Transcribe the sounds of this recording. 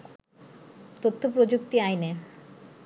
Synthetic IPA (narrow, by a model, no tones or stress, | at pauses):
t̪ot̪ʰːopɾod͡ʑuk̚t̪iajne